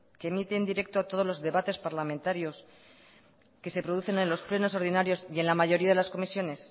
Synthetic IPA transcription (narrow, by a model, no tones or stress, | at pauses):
kemit̪end̪iɾe̞k̚t̪oat̪o̞ð̞o̞zlo̞zðe̞βat̪e̞spaɾlamẽnt̪aɾjo̞s | ke̞se̞pɾo̞ðuθe̞ne̞nlo̞sple̞no̞so̞ɾðinaɾjo̞sie̞nlamaʝo̞ɾiaðe̞lasko̞misjo̞ne̞s